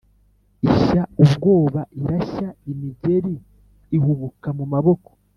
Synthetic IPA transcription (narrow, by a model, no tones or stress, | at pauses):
iʃauβɡo̞ːβaʔiɾaçaimiɟe̞ɾiː | huβukamumaβo̞ko̥